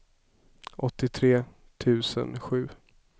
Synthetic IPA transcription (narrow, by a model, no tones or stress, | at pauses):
ʔɔt̪ːɪt̪ʰɾeː | t̪ʰʉ̟ːsə̰nɧʉ̟ː